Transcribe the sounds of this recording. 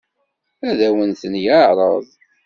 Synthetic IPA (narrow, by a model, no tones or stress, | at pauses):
æðæwənθənjaɾˤɑðˤ